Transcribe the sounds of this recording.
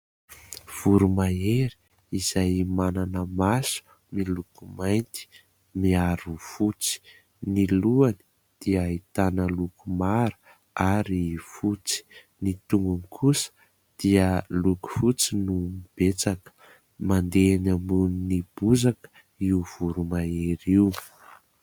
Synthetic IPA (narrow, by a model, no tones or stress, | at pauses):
v̥uɾumaeɾi̥ | iz̥ajmananəmasu̥ | milukumajnt̪i̥ | miaɾufut͡si̥ | niluani̥ | d̪̥iəit̪anəlukumaɾə̥ | aɾifut͡si̥ | nit̪uŋɡunikʰusə̥ | d̪̥iəluku̥fut͡sinumib̥et͡sakə̥ | mand̪enambuninib̥uzakə̥ | iuv̥uɾumaeɾiw